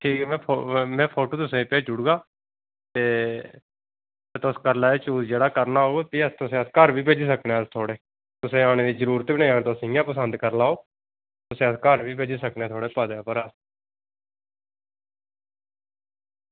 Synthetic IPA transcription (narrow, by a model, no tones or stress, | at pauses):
ʈʰiːkɛːmɛ̃ːpʰomɛ̃ːpʰoːʈoːt̪ʊsẽːpeːd͡ʒʊɽɡaː | t̪eː | ət̪ʊskəɾlaːeːt͡ʃuːzd͡ʒeːɽaːkəɾnaːɦoːɡot̪iːəst̪ʊsẽːəskəɾbiːbeːd͡ʒsəkneːst̪ʰoːɽeː | t̪ʊsẽːaːɽ̃eːd̪iːzəɾuːɾət̪biːnẽːəɡəɾt̪ʊsɪjãːpəsənd̪kəɾlaːoː | t̪ʊsẽːəskəɾbiːbeːd͡ʒesəknẽːt̪ʰoːɽeːpəd̪eːpəɾəs